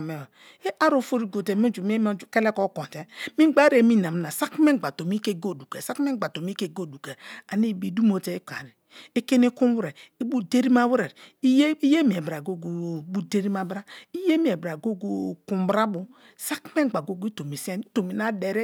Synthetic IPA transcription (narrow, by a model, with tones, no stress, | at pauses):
me˨ | e˦ʔa˦ɾo˨fo˦ɾi˦ɡo˨te˨˦mi˦d͡ʒu˨m˦e˦m˦u˦ke˦le˦ko˦ko˨nte˨mi˦ɡ͡ba˦ɾe˨˦mi˦na˨m˦na˨sa˦kme˦˨ɡ͡ba˨to˨mi˦ke˦ɡo˦˨du˨ke˨sa˦kme˦ɡ͡ba˨to˨mi˦ke˦˨ɡo˦˨du˨ke˨a˨ni˦˨bi˨du˦mo˨te˨˦i˦ka̰˨ɾi˨ | e˦ke˦ni˦ku˦m˦wu˦ɾe˨i˦bu˦de˦ɾi˦ma˦wu˦ɾe˨ɾi˦ji˦je˦mi˨e˨bɾa˨ɡo˦ɡu˨bu˦de˦ɾi˦ma˦bɾa˦i˦je˦mi˨e˨bɾa˨ɡo˦ɡu˦ku˨m˦bɾa˦bu˦ | sa˦kme˦˨ɡ͡ba˨ɡo˦ɡu˦i˦to˨mi˨si˦a˦˨ni˦to˨mi˨na˦de˨ɾe˦